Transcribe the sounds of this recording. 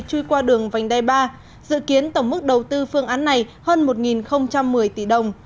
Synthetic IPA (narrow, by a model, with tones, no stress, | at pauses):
t͡ɕu˧jkwaː˧ɗɨ˨˩əŋva˨˩jŋ̟t̪a˧˩jɓaː˧ | zɨ̰˧˨ki˨˦ənt̪ə˧˩wŋ͡mmɨ˦˥k̚ɗə˨˩wt̪ɨ˧fɨ˧əŋʔaː˨˦nːa˨˩jhəː˧nmo˨˩t̚ŋi˨˩nxə˧wŋ͡mt͡ɕa˧mːɨ˨˩əjt̪i˧˩ɗə˨˩wŋ͡m